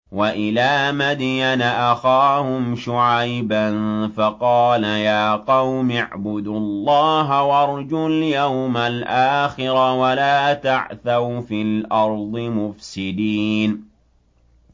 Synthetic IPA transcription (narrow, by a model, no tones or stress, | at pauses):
waʔɪlaːmad̪janaʔaxaːhʊmʃʊʕajbanfɑqɑːlajaːqɑwmɪʕbʊd̪ʊlːɑːɦawɑɾˤd͡ʒʊljawmalʔaːxɪɾawalaːt̪aʕθawfilʔɑɾˤd̪ˤɨmʊfsɪd̪iːn